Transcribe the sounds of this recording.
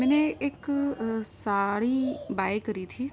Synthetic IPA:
mɛːneek | saːɽibaːjkəɾit̪ʰiː

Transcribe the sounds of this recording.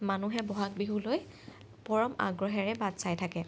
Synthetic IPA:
manuɦɛbɔɦak̚biɦuloj | pɔɹɔma̰ɡɹɔɦɛɹɛbadsajtʰakɛ

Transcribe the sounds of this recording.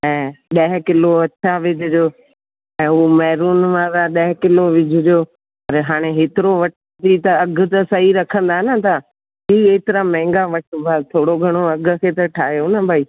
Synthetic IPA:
ɛ̃ːɗɐɦkɪloɐʃʰaʋɪd͡ʑʱʊd͡ʑoː | ɛ̃ːʊomɛːɾuːnʋãːɾaɗɐɦɪkɪloʋɪd͡ʑʱʊd͡ʒoː | ɐɾɦaːɽ̃eɦeːt̪ɪɾoʋɐʈ | t̪it̪ɐɐɡ̆ʱt̪ɐsɐɦiɾɐkʰə̃nd̪aːnət̪ʰa | d͡ʒiːeːt̪ɪɾãmɛ̃ːŋɡaʋɐʈbʱat̪ʰoːɽoɡʱɐɽ̃oɐɡʱʊ̆kʰeːt̪ɐʈʰaːɦjonəbʱaːiː

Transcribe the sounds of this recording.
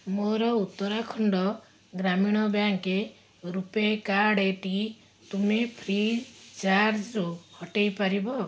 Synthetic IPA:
moɾɔut̪ːɔɾakʰɔɳɖɔ | ɡɾamiɽ̃ɔbjaŋke | ɾupekaɽeʈi | t̪umepʰɾit͡ʃaɾd͡ʒuhɔʈejpaɾibɔ

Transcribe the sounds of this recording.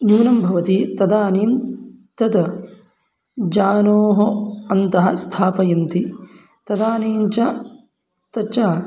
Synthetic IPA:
njuːnɐmbʱɐʋɐt̪it̪ɐd̪aːniːmt̪ɐd̪ | d͡ʒaːnoːɦoɐnt̪ɐɦɐ̰st̪ʰaːpɐjɐnt̪i | t̪ɐd̪aːniːnt͡ʃɐ | t̪ɐt͡ʃaː

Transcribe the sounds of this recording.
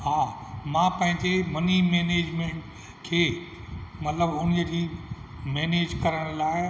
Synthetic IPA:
ɦaːmãːpɐ̃ɦɪ̃ɲd͡ʑemɐnimeːneːd͡ʑmẽːɳʈ | kʰeː | mɐt̪ləbʊn̤iəd͡ʑiːmeːneːd͡ʑkɐɾəɽ̃laːɪ

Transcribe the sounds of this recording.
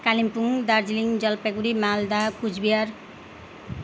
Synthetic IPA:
kalimpuŋd̪aɾd͡ziliŋd͡zʌlpeɡuɾimald̪akud͡zbijaɾ

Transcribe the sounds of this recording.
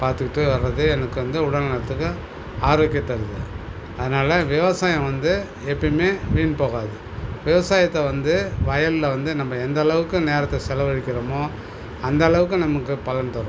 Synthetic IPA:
paːɾt̪ɯkɪʈːɯʋɐɾɾɐðɯɛnɐkːɯʋɐnd̪ɯʊɽɐlnɐɾɐt̪ːɯkːɯ | aːɾoːkːɪɐt̪ːɐɾɯðɯ | ɐðɯnaːlɐʋɪʋɐsaːjɐ̃ʋɐnd̪ɯ | ɛpːɐɽmeːʋiːɳpoːɣaːðɯ | ʋɪʋɐsaːjɐt̪ːɐʋɐnd̪ɯʋɐjɐllɐʋɐnd̪ɯnɐmːɐɛnd̪ɐːɭɐʋɯkːɯ̃neːɾɐt̪ːɐsɛlɐʋɐɻɪkʲːɪɾɐmoː | ɐnd̪ɐːɭɐʋɯkːɯ̃nɐmɐkːɯpɐlɐnt̪ɐɾ

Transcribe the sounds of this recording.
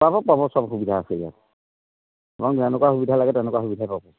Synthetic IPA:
babɔpabɔsɔbxubidʱaːseija̰t | bɔŋɛnɛkuaxubidʱalaɡɛtɛnɛkwaxubidʱajpabɔ

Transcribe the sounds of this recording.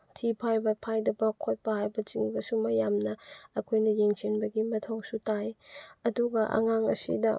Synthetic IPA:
tʰipʰajbɐpʰajdɐbɐkʰot̚pɐhajbɐt͡ʃiŋbɐsumɐjamnɐɐkʰojnɐjeŋt͡ʃinbɐɡimɐtʰoŋsutajɐduɡɐʔɐ̰ŋaŋɐ̰sḭdɐ

